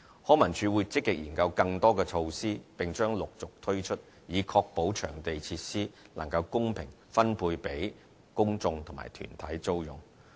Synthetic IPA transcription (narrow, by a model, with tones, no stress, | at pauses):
hɔː˨˥mɐ˨˩ŋt͡ʃʰyː˨˧wu˨˧jt͡sɪ˥kːɪ˨k̚jiː˨˩nkɐ˧wkɐ˧ŋt̪ɔː˥kɛː˧t͡ʃʰo˧wsiː˥pɪ˨ŋt͡ʃœː˥ŋlʊ˨k̚t͡sʊ˨k̚t̪ʰɵ˥ɥt͡ʃʰɵ˥t̚ | jiː˨˧kʰɔː˧k̚po˨˥wt͡ʃʰœː˨˩ŋt̪e˨jt͡sʰiː˧t̚siː˥lɐ˨˩ŋkɐ˧wkʊ˥ŋpʰɪ̰˨˩ŋ | fɐ˥npʰuː˧jpe˨˥j | kʊ˥ŋt͡sʊ˧ŋt̪ʰŋma̰ː˨˩jt̪ʰy̰ː˨˩nt̪ʰɐ˨˥jt͡so˥wjʊ̰˨˩ŋ